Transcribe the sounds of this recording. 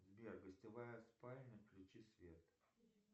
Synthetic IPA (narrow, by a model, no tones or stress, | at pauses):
zbʲerɡəsʲtʲɪvajəɐspalʲnʲəklʲɪt͡ɕisvʲet̪